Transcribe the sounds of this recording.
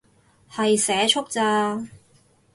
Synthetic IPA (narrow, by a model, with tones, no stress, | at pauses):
hɐ˨jsɛː˨˥t͡ʃʰʊ˥k̚t͡saː˧